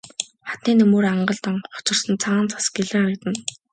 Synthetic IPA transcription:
χḁt̪niːnɵmɵːraɴɢə̆ɮt̪ɔɴχʊ̥t͡ɕɪ̆rsə̆nt͡sʰaːnt͡sʰḁsɡeɮɘ̆ŋaɾə̆kt̪ə̆n

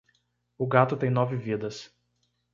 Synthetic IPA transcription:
ʊɡat̪ʊt̪ɛ̃jnɔːvʲɪvʲid̪ɐs

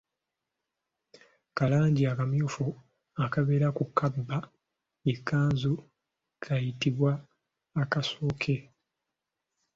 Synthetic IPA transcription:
kalaːɲɟiakamjuːfu | akaβe̞ːɾakukabːa | ekʰːaːnzu | kʰajitiβwaː | kasoːkʰe̞

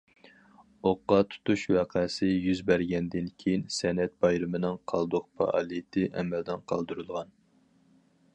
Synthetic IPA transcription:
oqːɑt̪ʰu̥t̪uʃwæqʰɛsɪjyzbæɾɡʲɛnd̪ɪnkʲʰejinsɛnɛt̪̚bɑjɾɨmɨnɨŋqʰɑlˠd̪ʊq̚pʰɑ̰ʔɑ̰lˠit̪ʰɪʔɛ̰mɛld̪ɪnqʰɑ̰lˠd̪uɾulˠʁɑn

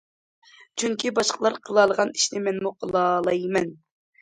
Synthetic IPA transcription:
t͡ʃʰyŋkʲʰibɑʃqʰəlˠɑɾqʰəlˠɑlˠəʁɑni̥ʃnɪmɛnmuqʰəlˠɑlˠɑjmɛn

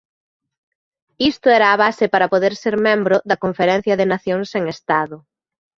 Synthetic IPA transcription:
ist̪ʊɛɾɐːβasɪpaɾɐpoðeɾseɾmẽmbɾʊðɐkoɱfeɾɛn̟θjɐðɪnaθjoŋseŋest̪aðʊ

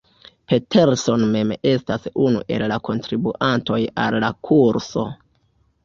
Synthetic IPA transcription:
pe̞tʰe̞ɾso̞nme̞me̞stasunuʔe̞̰lːakʰo̞ntɾibuʔanto̞jalːakʰuɾso̞̰

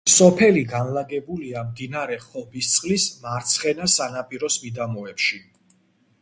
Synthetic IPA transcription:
sɔpʰɛliɡanlaɡɛbuliamd̪inaɾɛχɔbist̪sʼqʼlismaɾt̪sʰχɛnasanapʼiɾɔsmid̪amɔɛpʃi

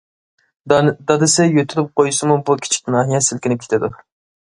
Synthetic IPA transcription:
d̪ɑd̪ɨsɪjøt̪ʰyɾɪp̚qʰojusɨmubukʲʰi̥t͡ʃʰi̥kʲnɑːɦijɛsɪlkʲʰɪnɪp̚kʰʲe̥t̪ʰɪd̪u

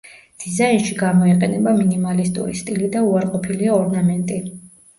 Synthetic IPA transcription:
d̪̥izainʃiɡamɔiqʼɛnɛbaminimalist̪ʼṵɾḭst̪ʼilid̪auaɾqʼɔpʰiliaɔɾnamɛnt̪ʼi

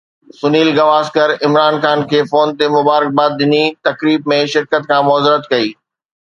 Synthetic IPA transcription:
sʊniːlɡɐʋaːskəɾɪmɾaːnxaːnkʰeːfoːnt̪emʊbaːɾɪk̚baːt̪̚ɗɪnit̪ɐkɾiːbmẽʃɪɾkət̪̚kʰãːmɔːzɾət̪kɐiː

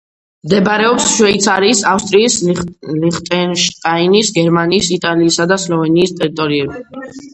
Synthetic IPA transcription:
md̪ɛbɾɛɔpsʃwɛit̪sʰaɾiːsafst̪ʼɾiːsliχt̪ʼɛnʃt̪ʼainisɡɛɾmaniːsit̪ʼaliːsad̪aslˠɔvɛniːst̪ʼɛɾit̪ʼɔɾiɛb

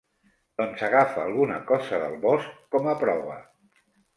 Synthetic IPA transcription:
d̪̥ɔnsəɣ̞afəːlˠɣunəkɔzəðəlˠβɔskːɔməpɾɔβə

